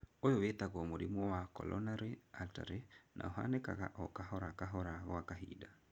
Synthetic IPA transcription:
ojowetaɣɔmoɾimɔwakɔ̰lʔɔ̰naɾealta̰ɾenʔa̰oɦa̰neka̰ɣa̰ʔɔkaɦɔɾakaɦɔɾaɣwakaɦḭda

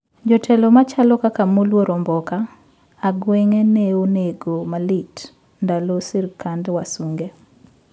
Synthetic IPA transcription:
d͡ʒɔtʰɛlɔmat͡ʃalɔkakamolwoɾɔmbɔkaː | ɡweŋenɛoneɡomalit | ndalosɪrkʰandwasuŋɡe

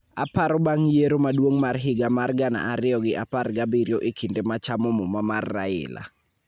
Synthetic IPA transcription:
apaɾɔbaŋjeɾomadwoŋmarɦɪɡamarɡana̰ʔaɾɪɔɡɪʔaparɡabiɾjoʔekʰindemat͡ʃamɔmɔmamarːaɪ̰la̰

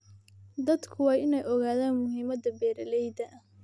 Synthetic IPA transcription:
d̪ɐd̪kʰʊwɑːjɪnɛjʔɔɣaːðaːnmʊɦiːmɐd̪ɐbɛːɾɐlɛjd̪ɐʔɐ

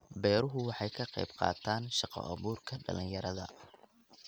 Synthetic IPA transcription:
bɛːɾʊɦʊwɑħɑjkʰɐqɑjbqɑ̰ːt̪ʰaːnʃɑqɔ̰ʔɐβuːrkʰɐɖɐlɪŋjɐɾɐðɐ̰

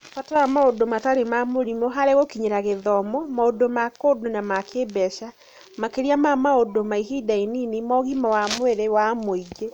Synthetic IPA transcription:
fataɾamaodomataɾemamoɾimɔɦaɾeɣokiɲeɾaɣeðɔmɔmaodomakodonamakebɛʃa | makeɾiamamaodomaiɦidaininimɔɣimawamweɾewamoiɡe

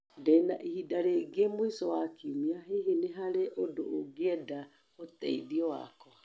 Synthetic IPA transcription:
dɛna̰ʔihidaɾeɡemwisɔwakiumiaɦeɦeneɦaɾeʔodo̰ʔoɡeɛda | otɛiðiɔwa̰kɔ

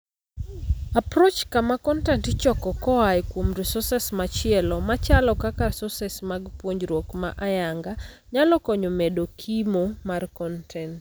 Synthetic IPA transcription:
apɾot͡ʃkamakɔntɛntt͡ʃɔkɔkɔajkwomɾisɔsɛsmat͡ʃɪɛlɔmat͡ʃalɔkakasɔsɛsmaɡpwoɲd͡ʒɾwokma̰ʔajaŋɡa | ɲalɔkɔɲomedokʰimomarkɔntʰɛnt

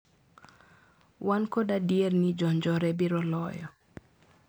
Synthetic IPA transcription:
wankodadiernid͡ʒɔnd͡ʒɔɾɛbiɾɔlɔjɔ

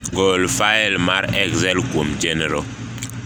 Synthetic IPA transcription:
ɡolfaɛlmaɾɛkzɛlkwomd͡ʒɛnɛɾo

